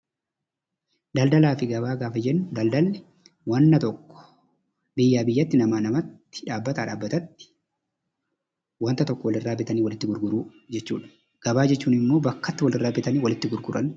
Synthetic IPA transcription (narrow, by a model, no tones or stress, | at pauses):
d̪ɐld̪ɐlaːfɪɡɐbaːɡaːfɐd͡ʒɛnːʊd̪ɐld̪ɐlː | wɐnːɐt̪ɔkːɔ̥ | bɪjːaːbɪjːɐt̪ːɪnɐmaːnɐmɐt̪ːɪ̥ᶑaːbːɐt̪aːᶑaːbːɐt̪ɐt̪ːɪ̥ | wɐnt̪ɐt̪ɔkːɔwɐlɪrːaːbɪt̪ɐniːwɐlɪt̪ːɪɡʊɾɡʊɾuː | d͡ʒɛt͡ʃːṵːᶑɐ̥ | ɡ̥ɐbaːd͡ʒɛt͡ʃːuːnɪmːo̞ːbɐkːɐt̪ːɪwɐlɪrːaːbɪt̪ɐniːwɐlɪt̪ːɪɡʊɾɡʊɾɐn